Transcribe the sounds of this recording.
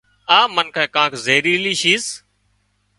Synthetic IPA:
aːmənkʰãːkãːkzeːɾiːliːʃiːs

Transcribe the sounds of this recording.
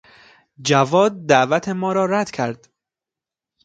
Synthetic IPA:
d͡ʒævɒːd̪̚ːæʔvæt̪ʰemɒːɾɒːɾæd̪̥cʰæɾd̪̥

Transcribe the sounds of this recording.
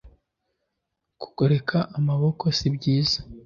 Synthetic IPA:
ku̥ɡo̞ɾe̞kʰaʔːmaβo̞kʰo̞sibɟiːzḁ

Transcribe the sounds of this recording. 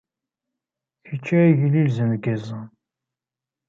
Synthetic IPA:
jət͡ʃːæʝlilzənɡæzə

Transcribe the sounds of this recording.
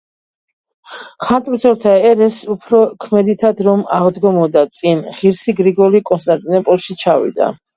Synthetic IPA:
χant̪ʼmsʰɔlˠt̪ʰaɛɾɛsupʰɾɔkʰmɛd̪it̪ʰad̪ɾɔmaʁd̪ɡɔmɔd̪at̪sʼinʁiɾsiɡɾiɡɔɾikʼɔnst̪ʼant̪ʼinɛpʼɔlˠʃit͡ʃʰavḭd̪a̰

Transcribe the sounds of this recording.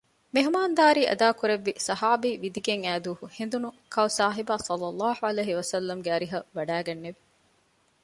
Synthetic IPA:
meɦumaːnd̪aːɾiːʔɐ̰d̪aːkuɾeʋːisɐhaːbiːʋid̪iɡeŋæːd̪uːhuhend̪unukɐwsaːɦibaːsɐlːɐlːɑːhuɐleːɦiʋɐsɐlːɐmɡeɐɾiɦɐʋɐɖæːɡɐnːeʋi̥

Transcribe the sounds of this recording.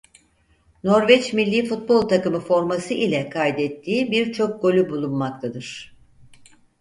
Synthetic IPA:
no̞ɾvɛt͡ʃmilʲːiːfut̪̚bo̞lˠt̪ʰakɯmɯfo̞ɾmasɯʔilʲɛkʰajd̪ɛt̪ʰːiːbiɾt͡ʃʰo̞k̚ɡo̞lʲybulˠunmak̚t̪ʰad̪ɯɾ̥

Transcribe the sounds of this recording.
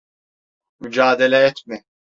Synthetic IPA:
myd͡ʒaːd̪elʲɛɛt̪mɪ

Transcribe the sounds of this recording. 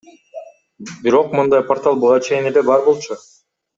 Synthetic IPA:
biɾo̞q̚mɯnd̪ɑjpart̪ɑlˠbuʁɑt͡ʃʰe̞jinelebɑɾbo̞lˠt͡ʃʰu

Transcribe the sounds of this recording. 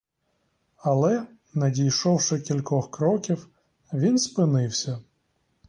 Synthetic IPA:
ɐlˠɛ | nɐdʲijʃɔwʃɛkʲilʲkɔxkɾɔkʲiw | ʋʲinspɪnɪwsʲɐ

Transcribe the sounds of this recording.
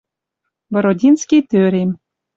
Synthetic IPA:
vɤ̆ɾodʲinskʲit̪øɾʲem

